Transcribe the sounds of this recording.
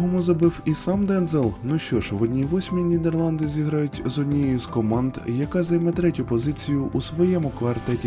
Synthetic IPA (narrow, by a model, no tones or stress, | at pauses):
ɦɔmʊzɐbɪwisɑmd̪ɛnzɛlˠnuʃt͡ʃɔʒʋɔd̪ʲnʲiʋɔsʲmʲinʲid̪erlˠɑnd̪ɪzʲiɦɾɑjʊtʲzɔdʲnʲijɛjʊskɔmɑnd̪jɐkɑzɐjmɛt̪ɾɛtʲʊpɔzɪt͡sʲijʊʔusʋɔjɛmʊkʋɐrt̪ɛtʲi